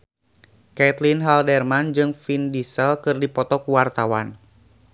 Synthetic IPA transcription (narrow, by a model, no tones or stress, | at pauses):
kɛt̪linɦaldɛrmand͡ʒɨŋfindisɛlkɨrdipɔt̪ɔkuwart̪awa̰n